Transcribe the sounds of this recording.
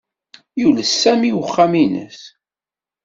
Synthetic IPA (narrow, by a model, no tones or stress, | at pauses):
juləsːæmiwəχːaminə̰s